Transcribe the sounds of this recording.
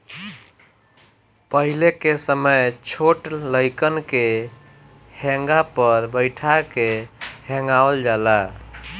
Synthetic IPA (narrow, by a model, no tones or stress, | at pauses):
pəɦilekesəməjt͡ʃʰoʈləɪkənke | hɛ̃ŋɡapəɾbəɪʈʰakehɛ̃ŋɡaəld͡ʒala